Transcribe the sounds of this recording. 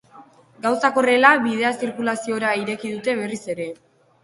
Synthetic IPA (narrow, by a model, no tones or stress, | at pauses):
ɡawsako̞re̞laβið̞e̞asiɾkulasio̞ɾaiɾe̞kiðut̪e̞βe̞rise̞ɾe̞